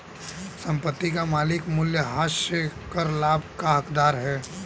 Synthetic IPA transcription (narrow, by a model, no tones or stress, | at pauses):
sɐ̃mpət̪ːikamaːlɪkmʊljəɦaːsəkəɾlaːbʱkaɦɐkd̪aːɾɦɛː